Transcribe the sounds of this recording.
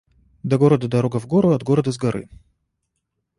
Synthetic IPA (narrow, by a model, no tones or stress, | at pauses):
d̪ɐɡoɾəd̪əd̪ɐɾoɡəvɡoɾʊɐd̪ɡoɾəd̪əzɡɐɾɨ̰